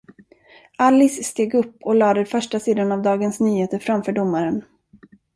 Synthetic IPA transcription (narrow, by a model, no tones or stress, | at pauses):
ʔalːɪsːt̪eːɡɵpːɔlɑːd̪əfœʂʈasiːd̪anavd̪ɑːɡənsnyːheːt̪əɾfɾamfœːɖʊmːaɾən